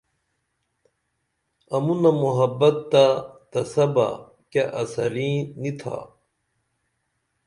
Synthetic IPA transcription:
ɐmunɐmuɦɐbːɐt̪ːat̪ɐsɐba̰ | keʔɐsɐɾĩːnit̪ʰa̰

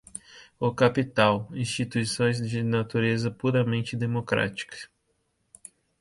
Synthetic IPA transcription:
ʊkapit̪awĩst͡ʃit̪uisõj̃zd͡ʒɪnat̪uɾezɐpuɾɐmẽnt͡ʃɪd̪emokɾa̰t͡ʃi̥kɐ̥s

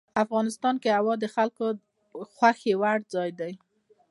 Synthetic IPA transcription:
afɣɑnɪst̪ɑnkeawɑd̪əxalko | xwaxewaɽd͡zɑjd̪aj

